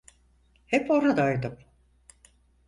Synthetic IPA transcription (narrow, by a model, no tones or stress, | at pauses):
hɛpo̞ɾad̪aːjd̪ɯm